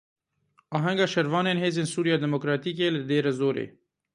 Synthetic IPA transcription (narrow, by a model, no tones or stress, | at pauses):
ɑːɦɛŋɡɑːʃɛɾvɑːneːnheːzeːnsuːɾijɑːd̪ɛmokɾɑːt̪iːk̬eːləd̪eːɾazoːɾḛː